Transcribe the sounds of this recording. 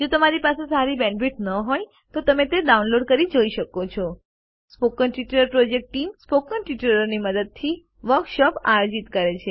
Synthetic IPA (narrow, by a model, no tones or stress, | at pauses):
d͡ʒot̪əmaɾipasesaɾibɛ̃ɳbiʈnəɦoj | t̪ot̪əmet̪eɖaunloɖkəɾid͡ʒoiʃəkot͡ʃʰɔ | spokənʈiʈɾəɾpɾod͡ʒek̚ʈʈimspokənʈiʈəɾəɾniməd̪əd̪̚t̪ʰi | ʋəɾkʃɔpa̰jod͡ʒit̪kəɾet͡ʃʰe